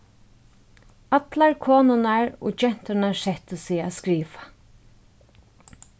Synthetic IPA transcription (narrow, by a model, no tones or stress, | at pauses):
at̪laɹkʰoːnʊnaɹɔ̰ːt͡ʃɛn̥t̪ənaɹsɛht̪əsɪaskɹiːʋḁ